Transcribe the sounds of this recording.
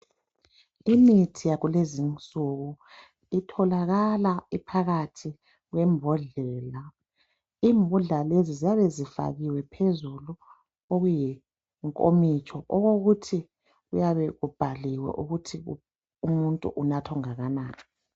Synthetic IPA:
initʰijaɣulezint͡sʼuɣu | itʰɔlaɣalaipʰaɣatʰi | ɣwɛmbʱɔɮɛla | iːmbʱuɮalezizijaβɛzifa̰ɣiwɛpʰezulu | oɣuji | ŋkʼo̰mit͡ʃʼɔʔɔɣoɣutʰi | ɣujaβɛɣub̥ʱaliwɛ̰ʔuɣutʰi | umuntʼṵʔunatʰɔŋaɣanaːnʰḁ

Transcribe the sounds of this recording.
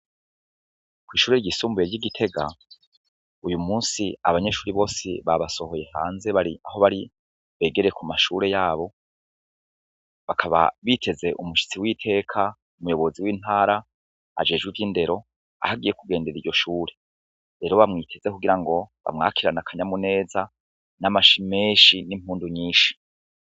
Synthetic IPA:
kwiːʃuːɾeɾɟisuːmbuje̞ɾɟiɡitʰe̞ɡa̰ | ujumuːnsia̰βaɲe̞ːʃuːɾiβo̞ːsḭβaβaso̞ho̞je̞ha̰ːnze̞βaɾiaho̞βaɾi | βeːɡeɾejekʰumaʃuɾe̞jaːβo̞ | βakʰaβa̰βitʰe̞ze̞ʔumuʃi̥t͡siwitʰe̞ːkʰa | umujo̞βo̞ziwiːn̥haːɾa | a̰d͡ʒe̞ːʒɡwivjiːnde̞ɾo̞ | a̰haɡije̞kuɡe̞ːnde̞ɾiɾɟo̞ʃuːɾe̞ | ɾe̞ːɾo̞βamŋiːtʰe̞z̥e̞kuɡiɾaŋɡo̞βa̰mŋa̰ːkʰiɾanakʰaɲamune̞ːza | namaʃime̞ːʃinim̥huːnduɲiːʃi̥

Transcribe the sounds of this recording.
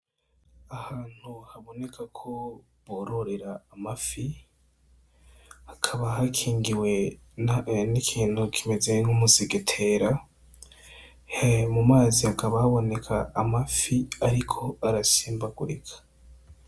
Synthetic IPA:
ahaːn̥huhaβo̞ne̞kʰakʰo̞ | βoɾo̞ɾe̞ɾaːmafi | hakʰaβaɦakʰiːŋɡiwe̞ | nikʰiːn̥hukʰime̞ze̞ŋ̥umuziɡetʰe̞ɾa | hmumaːzihakaβahaβo̞ne̞kʰaːmafiaɾikʰo̞aɾasiːmbaɡuɾikʰḁ

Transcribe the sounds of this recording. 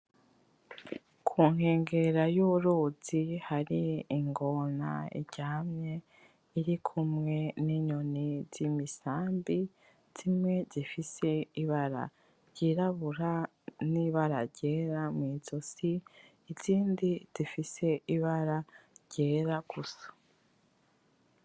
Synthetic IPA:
kʰuːŋ̥heːŋɡe̞ɾajuɾoz̥ihaɾiːŋɡona̰ḭɟ̥aːmɲe̞ | iɾikʰumŋe̞niɲoniz̥imisaːmbi | z̥imŋe̞zifise̞iβaɾa̰ | ɾɟ̥iːɾaβuɾa | niβaɾa̰ɾɟe̞ːɾamwiːzosiː | ziːndiz̥ifise̞iβaɾaɾɟ̥e̞ːɾaɡuso̥

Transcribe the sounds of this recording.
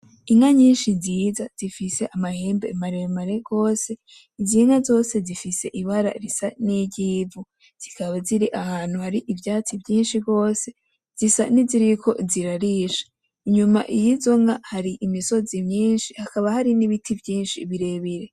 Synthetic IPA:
iŋaɲiːnʃiziːzaz̥ifise̞ʔamahe̞ːmbemaɾemaɾe̞ɡ̥o̞ːse̞ | iziŋazo̞ːse̞zifise̞ʔiβaɾa̰ɾisaniɟiːvu | z̥ikaβaziɾiʔahaːn̥huhaɾiʔivjaːt͡sibjiːnʃiɡo̞ːse̞ | z̥isa̰niziɾikʰo̞ziɾaɾiʃḁ | iɲumaʔijizo̞ŋahaɾiʔimiso̞zimɲiːnʃihakaβahaɾiniβitʰivjiːnʃiβiɾe̞βiɾe̞

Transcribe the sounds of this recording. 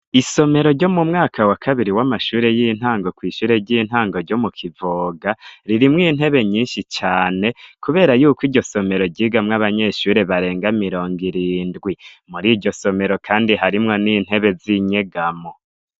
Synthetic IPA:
iso̞me̞ɾo̞ɾɟo̞mumŋaːkawakʰaβiɾiwamaʃuːɾe̞jin̥haːŋɡo̞kwiːʃuːɾe̞ɟiːn̥haːŋɡo̞ɾɟo̞mukʰivoːɡaɾiɾimŋiːn̥he̞βe̞ɲiːnʃit͡ʃaːne̞kuβe̞ːɾajuːkwiɾɟo̞so̞me̞ɾo̞ɟiːɡamŋaβaɲe̞ʃuːɾe̞βaɾe̞ːŋɡamiɾo̞ːŋɡiɾiːndɡwimuɾiːɟo̞so̞me̞ɾo̞kʰaːndiɦaɾimŋo̞niːn̥he̞βe̞ziɲe̞ɡamo

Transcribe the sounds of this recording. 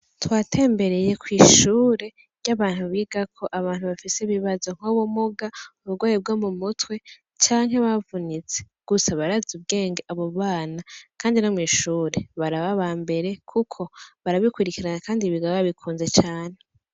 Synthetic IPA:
twaːtʰe̞ːmbe̞ɾe̞je̞kwiːʃuːɾe̞ | ɟaβaːn̥huβiːɡakʰo̞ʔaβaːn̥uβafiseβiβazo̞ŋ̥howomuɡauβuɡwaːjib̚ɡomumutwe̞ | t͡ʃaːŋɦe̞βavunit͡se | ɡ̥usaβaɾazub̚ɡe̞ːŋɡeʔaβo̞βaːnakaːndinomwiːʃuːɾe̞βaɾaβaβaːmbe̞ɾe̞kʰukʰo̞βaɾaβikuɾikiɾanakaːndiβiɡawaβikʰuːnze̞t͡ʃaːn̥e̞

